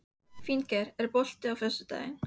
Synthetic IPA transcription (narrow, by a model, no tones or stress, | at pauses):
fincɛɾɛɾpɔl̥t̪ɪawfœst̪ʏt̪a̰ːjɪn